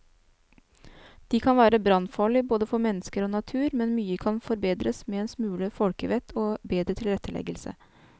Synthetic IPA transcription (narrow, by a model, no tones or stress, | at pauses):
d̪̥ikʰɑnʋæːɾəbɾɑnfɑːɭɪboːd̪əfɔɾmɛnːəskəɾoːnɑt̪ʰʉːɾmɛnmyːəkʰɑnfɔɾbeːd̪ɾəsmeːɛːnsmʉːləfɔlkəʋɛt̪ʰɔːbeːd̪ɾət̪ʰɪlɾɛt̪ʰːəlɛ̰ɡəlsə̰